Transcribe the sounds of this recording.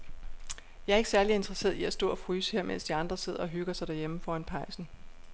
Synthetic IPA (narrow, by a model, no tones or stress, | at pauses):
jɑ̈ɪæɐeɡ̥ə̥sæɐlie̝nd̥ʁɐse̝̰ːɐðˠiæsd̥ɔ̰ːɒ̽fʁyːsə̥heɐmḛn̰sd̥iɑ̈nd̥ʁɐse̝ð̞ˠɐɒ̽ɦyɡ̥ɐsɑ̈ɪd̥æɐjeməfɒːænpʰɑ̈ɪsn̩